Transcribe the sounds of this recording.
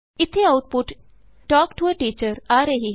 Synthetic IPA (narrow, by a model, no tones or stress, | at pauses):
ɪt̪ʰeawuʈ̚puʈ | ʈɔːkʈuəʈiːt͡ɕəɾaːɾeɦi